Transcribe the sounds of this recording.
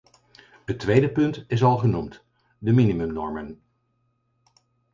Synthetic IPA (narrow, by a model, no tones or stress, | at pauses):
ɦətʋejdəpɵntɪs̬ɑlˠχənumt | dəminimɵmnɔɹmən